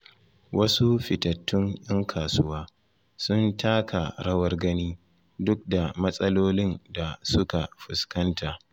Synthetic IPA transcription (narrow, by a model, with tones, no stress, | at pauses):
wʔɐ˦su˦ɸɪ˨tɐ˨tːʊ˦ŋjɐ˦ŋkʰaː˨sʊ˦waː˦ | sʊ˦ntʰaː˦kʰa˨ɽɐ˦wɐ˦rɡɐ˦niː˦ | dʊ˦k̚da˨mɐ˦sʼɐ˦loː˦lɪ˦nda˨sʊ˦ka˨ɸʊ˨skɐ˦ntaː˨